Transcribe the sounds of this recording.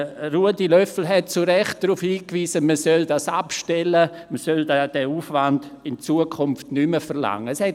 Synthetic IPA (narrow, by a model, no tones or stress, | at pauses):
ɾuədilœfl̩ɦɛt̚t͡suɾɛχt̚d̥ɾufhiːkviːsəməsœldasapʃtɛlə | məsœldad̥ɛuːfvandɪnt͡suəkʰʊmftnyməfəɾla̰ŋːəshɛt